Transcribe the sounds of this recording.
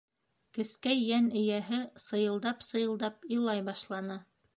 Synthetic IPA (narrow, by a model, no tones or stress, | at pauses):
kɘ̆skæjːænɘ̆jæɦɘsɤ̆jɤ̆lˠd̪ɑpsɤ̆jɤ̆lˠd̪ɑpilˠɑjbɑʃlˠɑnɤ